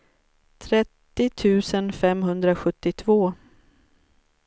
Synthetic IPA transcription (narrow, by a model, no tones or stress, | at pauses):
t̪ʰɾɛt̪ːɪt̪ʰʉ̟ːsənfɛmɦɵnd̪ɾaɧɵt̪ːɪt̪ʰvoː